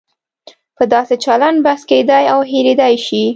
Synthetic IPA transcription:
pəd̪ɑset͡ʃaland̪̚bahsked̪ɑjawɦeɾed̪ajʃi

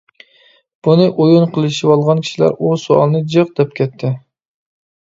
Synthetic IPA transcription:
b̥unɨʔojunqʰəlˠɨʃiwɑlˠʁɑnkʲʰi̥ʃilæ̰ɾusoɑ̰lˠnɨd͡ʒɨq̚d̪̥ɛp̚kʲʰɛt̪ʰːɪ

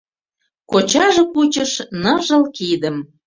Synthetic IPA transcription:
kot͡ɕɑʒɤ̆kut͡ɕəʃnɤʒɤ̆lkid̪ə̆m

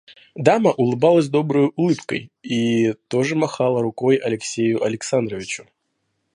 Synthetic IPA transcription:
d̪aməʔʊlˠɨbalˠəzʲd̪o̞bɾʊjʊʔʊlˠɨpkə̰jit̪o̞ʐɨmɐxalˠəɾʊkojɐlʲɪksʲejʊʔɐlʲɪksand̪ɾəvʲɪt͡ɕʊ̥

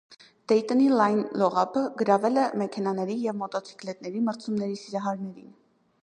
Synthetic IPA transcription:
d̪̥ɛjt̪ənilɑjnlɔʁɑpʰəɡəɾɑvɛlɛmɛkʰɛnɑnɛɾijɛvmɔt̪ɔt͡sʰi̥klɛt̪nɛɾiməɾt͡sʰumnɛɾisiɾɑɦɑɾnɛɾḭn

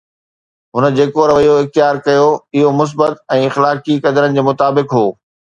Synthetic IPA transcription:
ɦʊnə̆d͡ʑeːkoɾɐʋɐijoɪxt̪jaːɾkɐjoɪɦomʊs̬bət̪ɛ̃ːɪxlaːkikɐd̪əɾənɪ̆d͡ʑeːmʊt̪aːbɪkɦoː

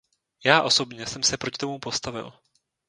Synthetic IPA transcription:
jaːʔo̞so̞bɲɛsɛmsɛpɾo̞cɪt̪o̞mupo̞st̪avɪ̰l

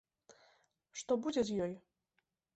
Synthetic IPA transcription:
ʂt̪ɔbud͡zʲɛzʲjɔj

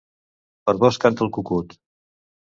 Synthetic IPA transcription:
pəɾβɔskant̪əlˠkukut̪

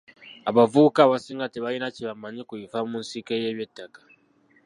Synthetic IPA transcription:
aβavukaːβasiːŋɡateβajinaciβamaɲikujifamunsikeje̞ːβjetːakḁ

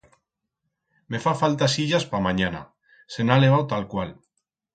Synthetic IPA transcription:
mefafalt̪asiʎaspamaɲana̰ | senaleβ̞awt̪alkwal

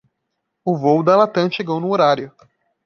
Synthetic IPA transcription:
ʊvowd̪ɐlat̪ɐ̃ʃeɡownʊoɾaɾjʊ

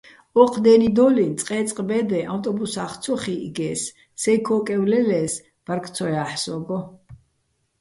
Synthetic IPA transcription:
ɔqʰd̪ɛnid̪ɔlint̪sʼqʼɛːt̪sʼqʼbɛd̪ɛʔawt̪ʼɔbusaχt̪sʰɔχiḭɡɛːsː | ɛkʰɔːkʼɛwlɛlɛːs | vaɾkʰt̪sʰɔjaːħsɔɡɔ

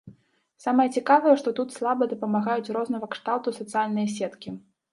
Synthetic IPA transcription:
samɐjɛt͡sʲikavɐjɛʂt̪ɔt̪ut̪slˠabɐd̪ɐpɐmaɣajut͡sʲrɔznɐɣɐkʂt̪awˠt̪usɐt̪sɨjalʲnɐjɐsʲɛt̪kʲi

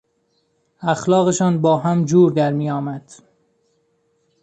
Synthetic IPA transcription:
æxlɒːɣeʃɒːnbɒːɦæmd͡ʒuːɾd̪æɾmiːjɒːmæd̪̥

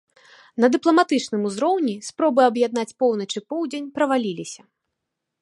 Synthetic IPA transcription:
nɐd̪ɨplˠɐmat̪ɨt͡ʂnɨmuzɾɔwnʲispɾɔbɨɐbjad̪nat͡sʲpɔwnɐt͡ʂɨpɔwd͡zʲenʲpɾɐvalʲilʲisʲɐ

